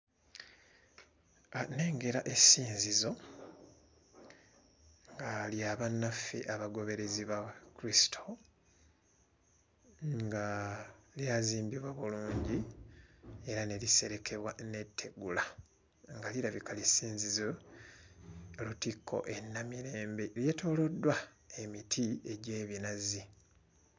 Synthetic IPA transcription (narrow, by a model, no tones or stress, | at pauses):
ne̞ːŋɡe̞ɾaʔe̞siːnzizo̞ | ŋɡaljaβanːafḭʔaβaɡo̞βe̞ɾe̞ziβakuɾisi̥tʰo̞ | ŋɡaljaziːmbiβwaβuluːɲɟi | e̞ɾane̞lise̞ɾe̞kʰe̞βwane̞tʰːe̞ɡula | ŋɡaliɾaβikalisiːnzizo | lutikʰːo̞̰ʔenːamiɾe̞ːmbeljetʰo̞ːlo̞dːwa | e̞mitʰieɟe̞ːβinazi